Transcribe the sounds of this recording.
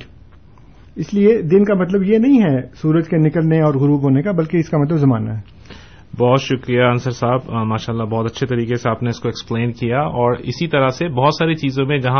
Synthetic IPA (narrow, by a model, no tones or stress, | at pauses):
ɪslied̪ɪnkamɐt̪ləbjenɐɦĩɦɛsuːɾəd͡ʒkenɪkəlneɔːɾɣʊɾuːbɦoːnekabɐlkeɪskamɐt̪̬ləbzɐmaːna̰ɦɛ | bɔːt̪ʃʊkɾijaɐnsəɾsaːbmaːʃaːlːabɔːt̪ɐtːʃʰet̪ɐɾiːkeseaːpneɪskoekspleːnkijaɔːɾɪsit̪ɐɾasebɔɦʊt̪saːɾit͡ʃiːzõmẽd͡ʒɐɦã